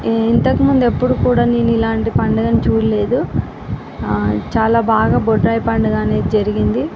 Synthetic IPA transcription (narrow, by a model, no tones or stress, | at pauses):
int̪ɐkimund̪epːuɽukuːɽaːneːnilaːɳʈipɐɳɖɐɡɐnit͡ʃuːɾle̞ːd̪u | t͡ʃaːlaːbaːɡaːboɖɾɐːjpɐɳɖɐɡaːneːd̪d͡ʒɐɾiɡind̪i